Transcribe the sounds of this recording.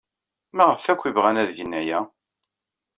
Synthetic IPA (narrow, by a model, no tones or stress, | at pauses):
mæʁəfækʷːivʁænæðʝənːæjæ